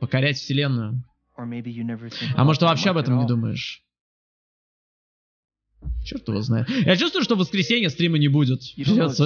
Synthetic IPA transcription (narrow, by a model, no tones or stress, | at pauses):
pəkɐɾʲætʲfsʲɪlʲe̞nːʊjʊ | ɐ̰moʐt̪vɐpɕːeɐbɛt̪əmnʲɪd̪uməɪ̰ʂ | t͡ɕort̪əvo̰znajɪt̪jat͡ɕust̪vəjʊʂt̪ovəskɾʲɪsʲenʲɪjəst̪ɾʲimənʲɪbudʲɪt̪pɾʲɪvʲes